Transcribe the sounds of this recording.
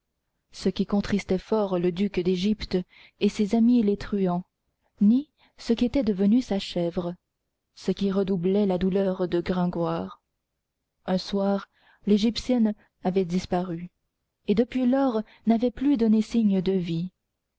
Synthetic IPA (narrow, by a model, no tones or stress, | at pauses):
səkʲikɔ̃t̪χist̪ɛfɔʁləd̪ykd̪eʒipt̪ | esezamilet̪χyɑ̃ | ni | səkʲiet̪ɛd̪əvənysaʃɛvʁə | səkʲiʁəd̪ublɛlad̪ulœʁd̪əɡʁɛ̃ɡwaːʁ | ɛ̃swaʁ | leʒipsjɛn | avɛd̪ispaʁy | ed̪əpɥilɔʁ | navɛplyd̪ɔnesiɲd̪əvi